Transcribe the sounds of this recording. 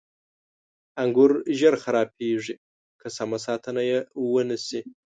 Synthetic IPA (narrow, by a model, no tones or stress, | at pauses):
aŋɡʷʊrʒɐrχaɾaːpʰiʒʷi | kʰɐsamɐsatʰɐnɐjɐwɐnɨse